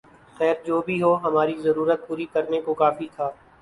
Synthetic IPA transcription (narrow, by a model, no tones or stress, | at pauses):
xɛːɾd͡ʒoːbʱiɦoːɦɐmaːɾizɐɾuːɾət̪̚puːɾikɐɾnekokaːfit̪ʰaː